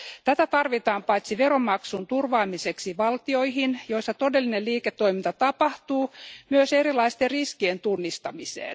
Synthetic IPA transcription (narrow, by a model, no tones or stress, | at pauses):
t̪æt̪æt̪ɑrʋit̪ɑːmpɑit̪siʋeɾomːɑksunt̪urʋɑːmiseksiʋɑlt̪ioihinjoisːɑt̪odelːineliːket̪ːoimint̪ɑt̪ɑpɑht̪uːmyøseɾilɑist̪erriskient̪unːist̪ɑmisḛːn